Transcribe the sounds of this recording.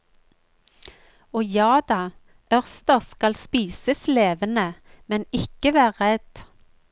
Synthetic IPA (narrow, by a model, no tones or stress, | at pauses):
oːjɑːd̪ɑː | œʁst̪əʁskɑlspiːsəsleːʋənəmɛnɪkəʋæːʁɛd̪̥